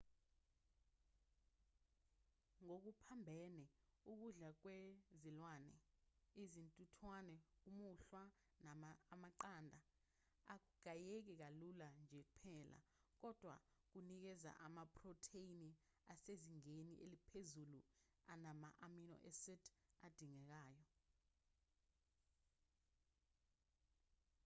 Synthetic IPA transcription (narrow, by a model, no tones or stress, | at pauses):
ŋok̬upʰambʱɛnɛuk̬uɮak̬wezilwanɛ̰izintʼutʰwanɛumuɬwa | namaːmaǃandʱa | ak̬uɡ̥ʱajek̬ɛk̬aluland͡ʒʱɛk̬upʰɛːlʔa̰k̬ɔd̥ʱwa̰k̬unik̬ɛza̰ʔamapʰʼrɔtʰeini | aseziŋeniʔḛlipʰezulu | anama̰ʔaminɔ̰ʔɛsɛtʰad̥ʱiŋɛk̬aːjɔ